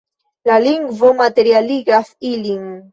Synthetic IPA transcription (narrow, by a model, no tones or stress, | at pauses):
laliŋɡvomat̪eɾialiɡɾafiliŋ